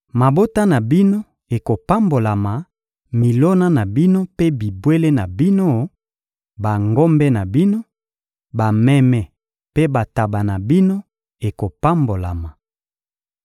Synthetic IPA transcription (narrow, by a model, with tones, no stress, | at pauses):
ma˨bo˦ta˦na˨bi˦no˦ | e˨ko˨pa˦mbo˨la˨ma˨ | mi˨lo˦na˦na˨bi˦no˦pe˦bi˨bwe˦le˦na˨bi˦no˦ | ba˨ŋɡo˦mbɛ˦na˨bi˦no˦ | ba˨mɛ˦mɛ˦ | pe˦ba˨ta˨ba˨na˨bi˦no˦ | e˨ko˨pa˦mbo˨la˨ma˨